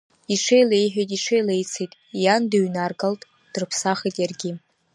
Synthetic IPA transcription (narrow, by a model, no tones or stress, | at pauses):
iʂʰejlejħᶣejtʼiʂʰejlejt͡sʰejtʼ | janduɥnarɡaltʼ | d̥rɨpʰsaχejtʼjarɡʲɪ